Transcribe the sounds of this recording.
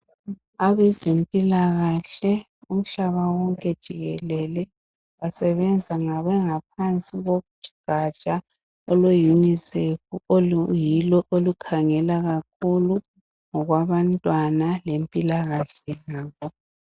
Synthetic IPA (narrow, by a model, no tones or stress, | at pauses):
aβɛzempʼilaɣaɬɛ | um̩ɬaβawɔŋkʼɛd̥ʒ̥ʱiɣɛlɛlɛ | wasɛβɛnd͡zʱaŋaβɛŋap̚ʰant͡sʼiɣoɣu̥ʒ̥ʱi̥ɡ̥ʱat͡ʃʼa | ɔlwejunisefuojilɔʔolukʰaŋɛlaɣakʰulu | ŋɔɣwaβantʼwanalempʼilaɣaɬɛnaːβɔ